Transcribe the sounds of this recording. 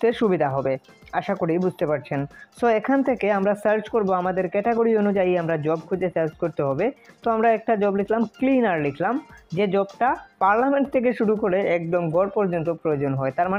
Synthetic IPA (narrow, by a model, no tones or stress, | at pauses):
t̪eʃubid̪ʱaɦɔbe | aʃakoɽibud͡ʑʱt̪epaɾt͡ɕʰensoekʰant̪ʰekeamɾasaɾt͡ɕkoɾboamad̪eɾkɛʈeɡoɾionud͡ʑajamɾad͡ʑɔb̚kʰud͡ʑesaɾd͡ʑkoɾt̪eɦɔbet̪oamɾaɛk̚ʈad͡ʑɔblikʰlamklinaɾlikʰlamd͡ʑed͡ʑɔbʈapaɾlameɳʈt̪ʰek̬eʃuɾukoɾeɛkd̪omɡʱɔɾpɔɾd͡ʑont̪opɾojod͡ʑonɦɔet̪aɾma